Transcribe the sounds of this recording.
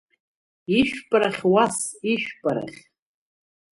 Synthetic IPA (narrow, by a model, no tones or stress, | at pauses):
iʃᶣpʼɾaχʲwasiʃᶣpʼaɾa̰χʲ